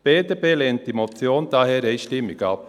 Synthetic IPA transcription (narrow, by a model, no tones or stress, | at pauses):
b̥eːdeːbeːlɛːnt̚d̥imot͡sjoːnd̥̪ɑɦɛːɾeɪʃtɪmːɪɡɑp